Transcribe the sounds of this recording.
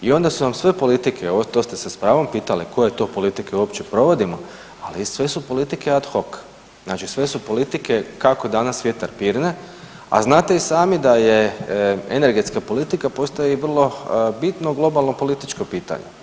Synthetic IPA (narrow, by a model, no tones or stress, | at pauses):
io̞nd̪asunamsʋe̞po̞lit̪ikʰeoot̪ost̪esespɾaːʋo̞mpiːt̪aliko̞je̞t̪o̞po̞lit̪ikeuopt͡ɕe̞pɾo̞ʋo̞d̪imo̞ | a̰lisʋe̞supo̞lit̪ike̞ad̪xo̞k | z̥nat͡ʃisʋe̞supo̞lit̪ike̞kako̞d̪anasʋjet̪aɾpiːɾne | a̰znaːt̪e̞isaːmid̪aje | ḛne̞ɾɡe̞t̪skapo̞lit̪ikapo̞st̪ajeiʋr̩lˠo̞bit̪noɡlˠo̞balˠno̞po̞lit̪it͡ʃkopiːt̪a̰ɲe